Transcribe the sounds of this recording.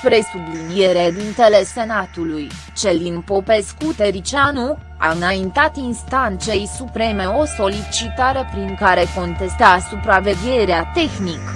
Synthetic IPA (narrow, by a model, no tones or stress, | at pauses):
pɾe̞sublinie̞ɾed̪int̪e̞le̞se̞nat̪uluj | t͡ʃe̞ld̪inpo̞pe̞skut̪e̞ɾit͡ʃianu | a̰ɨnaint̪at̪inst̪ant̪se̞jsupɾe̞me̞o̞so̞lit͡ʃit̪aɾepɾiŋkaɾe̞ko̞nt̪e̞st̪asupɾave̞ɡʲe̞ɾeat̪e̞xnik